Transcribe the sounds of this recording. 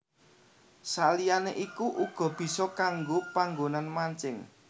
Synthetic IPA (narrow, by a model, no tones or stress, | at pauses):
salijaneʔikuʔuɡ̥ɔ̤b̥i̤sɔkaŋɡopaŋɡonanmaɲt͡ʃɪŋ